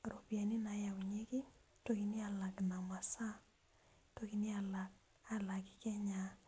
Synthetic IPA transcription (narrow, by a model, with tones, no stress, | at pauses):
ɾo˨pi˨a˨ni˦na˨˦ja˨u˨ɲe˦ki˦ | to˦ki˨ni˦a˨la˨kna˨mwa˨sa˦ | to˦ki˨ni˦a˨la˨k̚ | a˨la˨ki̥˦kɛ˦ɲa